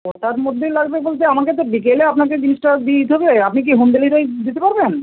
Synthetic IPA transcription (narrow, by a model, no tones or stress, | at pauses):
ot̪aɾmod̪ʱːelaɡbebolt͡ɕeamaket̪̬obikeleapnaked͡ʑiniʃʈad̪it̪ɦɔbeapnik̬iɦund̪eliɾojd̪it̪epaɾben